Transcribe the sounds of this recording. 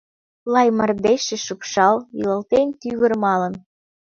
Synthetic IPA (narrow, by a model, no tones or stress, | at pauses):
lɑjmə̆rd̪eʃeʃupʃɑljiləlt̪ent̪yβə̆rmɑlən